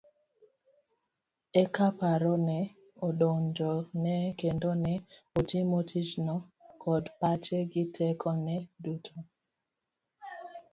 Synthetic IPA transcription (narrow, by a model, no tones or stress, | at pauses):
ɛkapaɾɔnɛ | oɗond͡ʒɔnɛkendonɛotimotʰid͡ʒnɔkɔdpat͡ʃeɡɪtʰɛkʰɔnɛdutʰo